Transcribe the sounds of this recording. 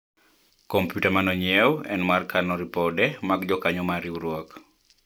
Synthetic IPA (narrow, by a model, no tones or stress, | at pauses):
kɔmpjutamanɔɲiɛwɛ̰nmarkanɔɾipɔdɛmaɡd͡ʒɔkaɲɔmaɾiuɾwɔk